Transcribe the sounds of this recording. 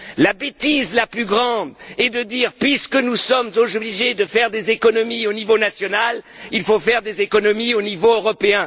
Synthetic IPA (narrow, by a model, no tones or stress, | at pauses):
labet̪izlaplyɡʁɑ̃d̪ɛd̪əd̪iːʁpɥiskənusɔmzobbliʒed̪əfɛʁd̪ezekɔnɔmionivonasjɔnal | ilfofɛʁd̪ezekɔnɔmionivoøʁɔpeɛ̃